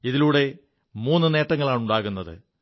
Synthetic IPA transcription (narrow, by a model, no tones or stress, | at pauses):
iðiluːɽe̞ | muːnːɨne̞ːʈːɐŋːɐɭaːɳuɳɖaːɣunːɐðɨ̰